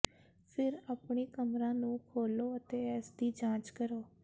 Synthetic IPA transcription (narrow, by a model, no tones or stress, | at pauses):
pʰɪɾaːpɳiːkəmɾãːnũːkʰoːloːət̪eːɛːsd̪iːd͡ʒãːt͡ʃkəɾoː